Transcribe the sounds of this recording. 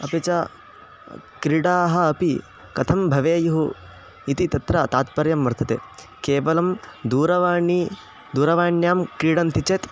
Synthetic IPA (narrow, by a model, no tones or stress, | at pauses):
ɐpit͡ʃa | kɾiɽaːɦɐ̆ːpi | kɐt̪ʰɐmbʱɐʋeːjuɦu | it̪it̪ɐt̪ɾɐt̪aːt̪̚pɐɾjɐmːʋɐɾt̪ʰɐt̪ḛː | keːʋɐlɐmd̪uːɾɐʋaːɳi | d̪uːɾɐʋaːɳjaːmkɾiɽɐnt̪it͡ʃeːt̪